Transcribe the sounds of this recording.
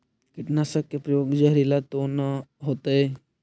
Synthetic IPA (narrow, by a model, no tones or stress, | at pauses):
kɪʈnasəkːepɾɐjoːɡd͡ʒəɦɾilat̪onaɦoːt̪aɦɛ